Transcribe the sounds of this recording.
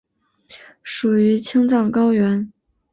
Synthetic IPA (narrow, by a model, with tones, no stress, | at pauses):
ʂu˨˩y˧˥t͡ɕʰi˥ŋt͡sɑ˥˩ŋkɑ˥ʊɥɛ˧˥n